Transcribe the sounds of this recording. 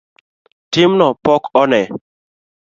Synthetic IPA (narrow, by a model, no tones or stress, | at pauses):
tɪmnɔpɔkʰɔnɛ